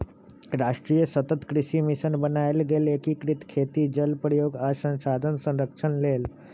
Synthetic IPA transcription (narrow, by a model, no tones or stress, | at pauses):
ɾaʂʈɾijəsət̪ət̪kɾiʃimiʃənbənajlɡelekikɾit̪kʰet̪iːd͡ʒəlpɾəjoːɡasə̃ñsad̪ʱənsə̃ɾəkʂənleːl